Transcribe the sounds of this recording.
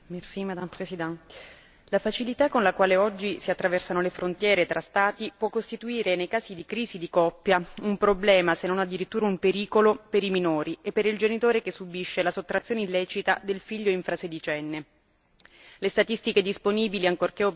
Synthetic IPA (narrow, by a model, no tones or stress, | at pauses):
mersimad̪apɾesid̪ɛm | lafat͡ʃilit̪akːonlakwaːleɔd͡ʒːisiat̪ːɾavɛrsanolefɾont̪jɛːɾet̪ɾʔast̪aːt̪ipwɔkːost̪it̪uiːɾenejkaːzid̪ikɾiːzid̪ikɔpːjaumpɾoblɛːmasenːonad̪ːiɾit̪ːuːɾaumpeɾiːkolopeɾiminoːɾiepːeɾild͡ʒenit̪oːɾekesːubiʃːelasot̪ːɾat̪sjoːneilːɛːt͡ʃit̪ad̪elfiʎːoiɱfɾased̪it͡ʃɛnːe | lest̪at̪ist̪iked̪isponiːbiliaŋkorkeo